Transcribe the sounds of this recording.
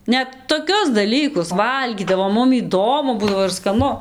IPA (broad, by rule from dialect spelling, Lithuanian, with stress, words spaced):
ˈnʲɛt toːˈkʲʊs dɐˈlʲiːkʊs ˈʋɐlʲɡʲiːdɐʋoːm ˈmʊm iːˈdoːmʊ ˈbuːdɐʋoː ɪr skɐˈnʊ